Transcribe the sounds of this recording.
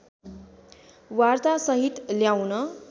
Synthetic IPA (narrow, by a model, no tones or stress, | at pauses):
wart̪asʌɦit̪ljawnʌ